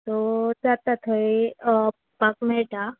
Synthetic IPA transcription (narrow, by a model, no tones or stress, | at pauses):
t̪od͡ʒat̪at̪ʰoi | pəkmeʈa